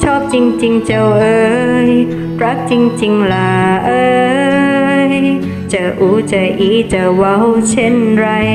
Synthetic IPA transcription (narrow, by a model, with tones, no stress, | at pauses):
t͡ɕʰɔː˥˩p̚t͡ɕi˧ŋt͡ɕi˧ŋt͡ɕə˧wʔɤː˧j | pɾa˦˥k̚t͡ɕi˧ŋt͡ɕi˧ŋlaː˨˩ʔəː˧ | j | t͡ɕəː˨˩ʔu˨˧˥t͡ɕəː˨˩jʔi˧˥t͡ɕəː˨˩wa˧˦˥wt͡ɕʰe˧˥˨nɾa˧j